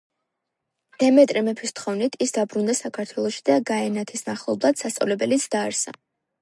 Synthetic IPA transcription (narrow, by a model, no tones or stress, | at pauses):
d̪̥ɛmɛt̪ʼɾɛmɛpʰist̪ʰχɔvnit̪ʰisd̪abɾund̪asakʰaɾt̪ʰwɛlˠɔʃi̥d̪aɡaɛnat̪ʰisnaχlˠɔblˠat̪sast̪sʼa̰vlɛbɛlit̪sʰd̪̥aːɾsa̰